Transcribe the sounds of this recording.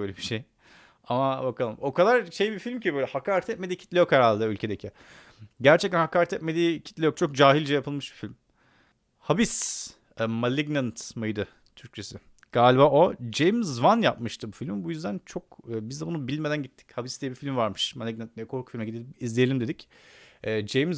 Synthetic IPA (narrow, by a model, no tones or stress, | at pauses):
bøjlebiʃej | amabakʰalˠɯmo̞kʰad̪aɾʃe̞jbifilʲmcibøjlʲɛhakaːɾɛt̪ɛt̪̚med̪iːcʰit̪lʲejokʰaɾaːlˠd̪aylʲcʰe̞d̪ecʰi | ɟæɾt͡ʃʰɛc̚t̪ʰænhakaːɾɛt̪ʰɛt̪me̞d̪iːcʰi̥t̪lʲejok̚t͡ʃʰo̞k̚d͡ʒaːɦilʲd͡ʒɛjapʰɯlˠmɯʃb̥ifilʲm | habis | ɛmalʲiɡnant̪majd̪ɯ | t̪ʰyɾct͡ʃʰe̞sɪ | ɡ̥aːlʲibaːʔo̞d͡ʒejmzvanjap̚mɯʃt̪ʰɯbufilʲmibujyzd̪ænt͡ʃʰo̞kːbizd̪ɛbunubilʲme̞d̪ænɟit̪ʰːi̥chabisd̪ijɛbifilʲmvaɾmɯʃmalʲiɡnant̪̚mejɛkʰoɾkʰu̥fimɛɟid̪elʲizlʲejelʲimd̪ed̪icɛːd͡ʒejmz